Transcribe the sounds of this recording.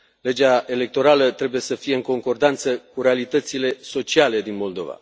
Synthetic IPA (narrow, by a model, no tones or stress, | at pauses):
le̞d͡ʒae̞le̞k̚t̪o̞ɾalət̪ɾe̞buje̞səfije̞ɨŋko̞ŋko̞rd̪ant̪səkuɾe̞alit̪ət̪sile̞so̞t͡ʃiale̞d̪inmo̞ld̪o̞̰va̰